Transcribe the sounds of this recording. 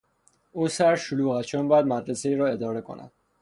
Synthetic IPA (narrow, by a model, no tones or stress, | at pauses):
uːsæɾʃoluːɣæt̪t͡ʃʰonmbɒːjæd̪mæd̪ɾese̞iːɾɒːe̞d̪ɒːɾe̞kʰo̰nʔæ̰d̪̥